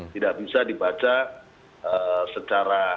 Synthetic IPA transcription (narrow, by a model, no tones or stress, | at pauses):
t̪idaʔbisadibat͡ʃa | əsət͡ʃaɾa